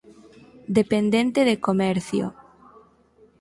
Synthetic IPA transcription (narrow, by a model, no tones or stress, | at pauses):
d̪epend̪ẽnt̪eðekomɛɾθjo̰